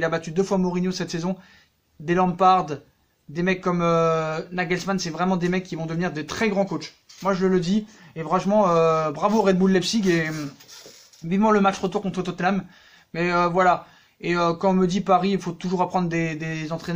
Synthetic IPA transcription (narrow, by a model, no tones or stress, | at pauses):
ilabat̪yd̪øfwamɔʁinjosɛt̪sezɔ̃ | d̪elɑ̃paʁd̪ | d̪emɛkːɔmønaɡɛlsmansɛvʁɛmɑ̃d̪emɛkʰʲːivɔ̃d̪əvniʁd̪et̪χɛɡʁɑ̃kot͡ʃ | mwaʒələləd̪iefʁɑ̃ʃmɑ̃øbʁavoʁɛd̪bullːɛpsikem | vivmɑ̃ləmat͡ʃʁət̪uʁkɔ̃t̪χət̪ɔt̪namː | ɛøvwala | eøkɑ̃ɔ̃məd̪ipaʁiilfot̪uʒuʁapχɑ̃d̪ʁd̪ed̪ezɑ̃t̪χɛn